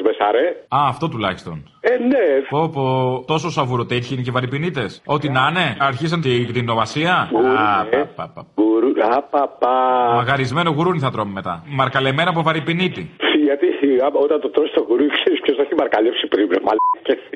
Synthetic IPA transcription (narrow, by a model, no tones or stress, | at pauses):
zmesɐɾeɐːft̪o̞t̪ulɐçi̥st̪o̞̰n | enepopot̪o̞sosɐvuɾot̪eɾçinicevɐɾipinit̪e̞so̞t̪inɐne̞ɐɾçis̬ɐnekt̪inːovɐsiɐɣ | ɐ̰pɐɣuɾuapɐpamɐɣɐɾizme̞no̞ɣuɾuniθɐt̪ɾo̞mime̞t̪ɐ̰mɐɾkɐleme̞nɐp̬ovɐɾipinit̪iʝɐt̪iaot̪ɐnt̪ot̪ɾost̪oɣuɾuikseɾispʰçosɐçimɐɾkɐlepsipɾibɾemɐlce